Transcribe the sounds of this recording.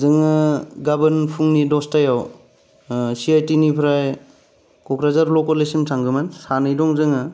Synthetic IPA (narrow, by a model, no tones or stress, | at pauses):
zɯŋɯɡabɯnpʰuŋnidɔstajaw | siajtinipʰɾaj | kɔkɾazaɾlɔkɔlesimsʰaŋɡɯmansanɯjdɔŋzɯŋɯ